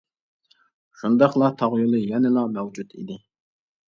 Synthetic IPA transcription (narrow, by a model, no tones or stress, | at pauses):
ʃund̪ɑχlˠɑt̪ʰɑʁjulˠɨjɛnɪlˠɑmɛwd͡ʒut̪ḭd̪ɪ